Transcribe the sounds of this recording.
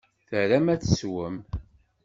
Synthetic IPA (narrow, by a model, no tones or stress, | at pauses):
θəɾæmæt͡sːəswəm